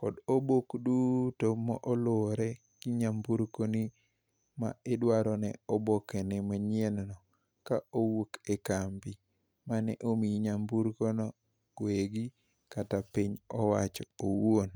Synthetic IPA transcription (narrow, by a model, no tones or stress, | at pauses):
kɔdobokdutomɔʔɔloɾɛ | ɡ̥iɲambuɾkoni | ma̰ɪdwaɾɔnɛ̰ɔbokenɛmaɲennɔ | kaowokɛkambi | manɛʔomiɲambuɾkonɔ | weɡi | katapiɲɔwa̰t͡ʃɔowon